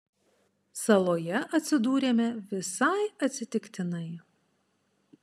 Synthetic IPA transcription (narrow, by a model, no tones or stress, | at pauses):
sɐlˠoːjɛʔɐt̪ʲsʲɪd̪uːɾʲeːmʲɛʋʲɪsɐɪɐt̪ʲsʲɪt̪ʲɪkt̪ʲɪnɐɪ